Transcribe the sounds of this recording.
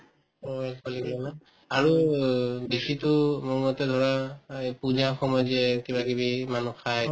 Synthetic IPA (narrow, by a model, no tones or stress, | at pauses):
ɔkɔliklɔna | aɹu | besitʊmumɔtɛdʱɔɹapuzaxɔmɔjzɛkibakibimanuxʰaj